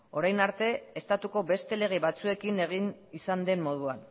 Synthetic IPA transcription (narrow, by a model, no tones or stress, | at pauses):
o̞ɾajnaɾt̪e̞est̪at̪uko̞be̞st̪e̞le̞ɣ̞eβat͡sue̞kine̞ɣ̞inisand̪e̞mːo̞ð̞uan